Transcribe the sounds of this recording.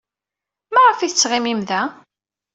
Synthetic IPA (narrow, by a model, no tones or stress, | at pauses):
mæʁəfiθət͡sːʁimimðæ